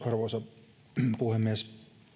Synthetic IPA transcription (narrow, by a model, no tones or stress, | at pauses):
ɑrʋoˑsɑ | puhemːies